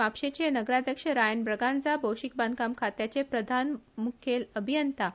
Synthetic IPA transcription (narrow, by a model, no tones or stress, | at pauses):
apʂet͡ɕenəɡɾad̪ʱjəkʂəɾajəɳbɾəɡand͡zabowɕik̚bãnd̪kamkʰat̪jat͡ɕepɾəd̪ʱanmukʰeləbʱijənt̪a